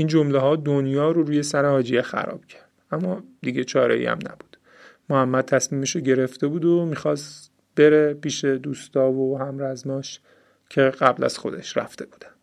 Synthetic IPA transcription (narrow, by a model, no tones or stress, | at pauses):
ind͡ʒomleɦɒːd̪onjɒːɾoɾuːje̞sæɾehɒːd͡ʒijexæ̰ɾɒ̰ːb̥cʰæɾd̪̥ʔæmːɒːd̪iɟet͡ʃʰɒːɾḛḭːæ̰mnæ̰b̥ud̪̥ | mohæmːæd̪̚t̪ʰæsmiːmiʃoɟe̞ɾe̞ft̪e̞buːd̪omiːxɒːs | b̥e̞ɾepiːʃed̪uːst̪ɒːvohæmɾæzmɒːʃ | cʰe̞ɢæblæ̰z̥xo̞d̪eʃɾæ̰ft̪e̞b̥uːd̪æn̥